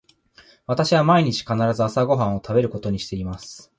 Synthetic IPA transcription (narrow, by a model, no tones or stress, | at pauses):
β̞at̪aɕiβamaiɲ̟it͡ɕi̥kanaɾazɨasaɡo̞ɦãɰ̃o̞t̪ʰabe̞ɾɯ̟ko̞t̪o̞ɲ̟iɕi̥t̪e̞imasɨ̥